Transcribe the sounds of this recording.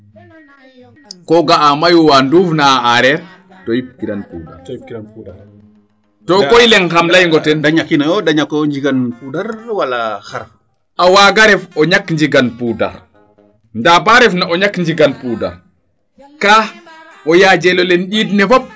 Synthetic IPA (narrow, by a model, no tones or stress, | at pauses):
kɔɡaːmajuwanduːfnaaʔaɾɛɾ | tɔjip̚kiɾanpṵːda̰ | tɔkɔjlɛŋxamlajŋɡɔtɛndaɲakːinajɔdaɲakːɲd͡ʒiɡanpudaɾwalaxaɾ | awaɡaɾɛfɔɲakɲd͡ʒiɡanpuda̰ɾ | ndabaɾɛfnaʔɔɲakːɲd͡ʒiɡanpuda̰ | ka | ɔjad͡ʒɛlɔlɛnɗitnɛfɔp̚